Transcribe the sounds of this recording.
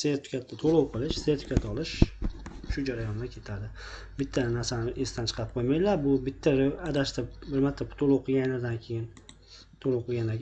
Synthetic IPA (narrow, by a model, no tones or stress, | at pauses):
set̪ʰʊ̥kʲat̪ʰːat̪ʰolˠowqʰɨlˠɪʃset̪ʰʊ̥kʰʲat̪ːɒlˠɪʃ | ʃʊd͡ʒaɾajɒnd̪akʲʰe̞t̪ʰad̪ɪ | bɪt̪ʰːanaɾsanɪʔesɪt̪ant͡ʃʰɨ̥qʰɑɾɪp̚qʰojmajlaɾbʊbɪt̪ʰːaɾad̪aʃt̪abɪɾmat̪ʰːapt̪ʰolˠowqʰɨɡʲanlaɾd̪ankʲʰe̞jɪn | t̪ʰolˠowqʰɨɡʲand̪a